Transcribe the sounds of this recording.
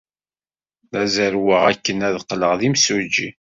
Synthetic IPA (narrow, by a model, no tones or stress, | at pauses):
ðæzəɾwəʁækːənæðqːləʁðimsud͡ʒːi